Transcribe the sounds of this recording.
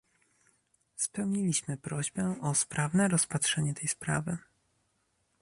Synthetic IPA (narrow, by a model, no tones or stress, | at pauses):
spɛwɲilʲiɕmɘpɾɔʑbɛʔɔspɾavnɛɾɔspatʂɛɲɛt̪ɛjspɾa̰vɘ